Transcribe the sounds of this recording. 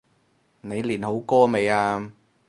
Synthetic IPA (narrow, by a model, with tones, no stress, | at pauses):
ne˨˧jliː˨˩nho˨˥wkɔː˥me˨˧jaː˧